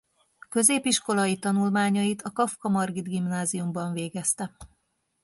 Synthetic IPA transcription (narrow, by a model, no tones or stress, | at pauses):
kø̞zeːpiʃko̞lɒjit̪ɒnulmaːɲɒjit̪ɒkɒfkɒmɒrɡid̪ɡimnaːzijumbɒɱveːɡɛst̪ɛ